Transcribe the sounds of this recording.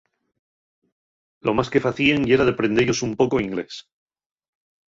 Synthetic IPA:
lo̞maske̞faθieŋie̞ɾaðepɾe̞nd̪e̞ʝo̞sumpo̞ko̞iŋɡle̞̰s

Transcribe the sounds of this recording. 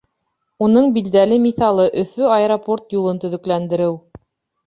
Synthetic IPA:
unɤɴbild̪ælɘmiθɑlˠɤʔɵ̆fɵɑeɾoport̪julˠɤnt̪ɵ̆ðɵ̆klænd̪ɘ̆ɾɘw

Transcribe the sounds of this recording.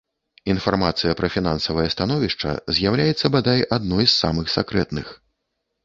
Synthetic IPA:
infarmat̪sɨjɐpɾɐfʲinansɐvɐjɐst̪anɔvʲiʂt͡ʂɐ̰zʲjawlʲajɛt̪sːɐbad̪ajad̪nɔjsːa̰mɨxsʲakɾɛt̪nɨx

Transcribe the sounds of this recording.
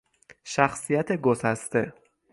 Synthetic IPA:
ʃæxsijæt̪ʰeɡosæst̪e̞

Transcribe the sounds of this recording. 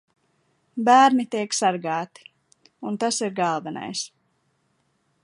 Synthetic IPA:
bæːɾnit̪iɛksaɾɡɑːt̪i̥ | unt̪asiɾɡalˠvana̰js

